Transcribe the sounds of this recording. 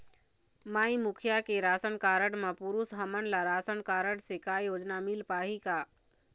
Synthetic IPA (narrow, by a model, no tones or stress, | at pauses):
maːĩmʊkʰjakeɾaːsənkaːɾəɽmãpʊɾusɦəmənlaɾaːsənkaːɾəɽsekaːjoːd͡ʒnamɪlpaːɦikaː